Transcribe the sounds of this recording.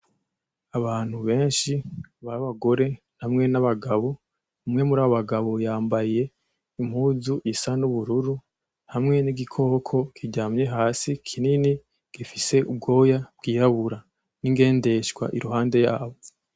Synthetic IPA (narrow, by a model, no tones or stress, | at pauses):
aβaːn̥huβe̞ːnʃiβaβaɡo̞ɾe̞n̥hamŋe̞naβaɡaβo | umŋe̞muɾaːβoβaɡaβo̞jaːmbaje̞ | im̥huːzuʔisanuβuɾuɾu | hamŋe̞niɡikʰo̞ːkʰo̞kʰiɟaːmɲe̞ɦaːsikʰinini | ɡ̥ifise̞ub̚ɡo̞ːjab̥̚ɡiːjaβuɾa | niŋɡe̞ːnde̞ʃɡwa̰ʔiɾuɦaːnde̞jaːβo